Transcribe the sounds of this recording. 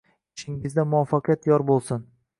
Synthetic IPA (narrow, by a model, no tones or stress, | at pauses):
ɪʃɪŋɪzd̪amʊwafːɑqʰɨjat̪jɒɾbolˠsɪn